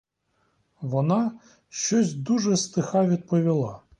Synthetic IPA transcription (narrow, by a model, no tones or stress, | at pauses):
ʋɔnɑ | ʃt͡ʃɔsʲd̪uʒɛst̪ɪxɑʋʲid̪̚pɔʋʲilˠɑ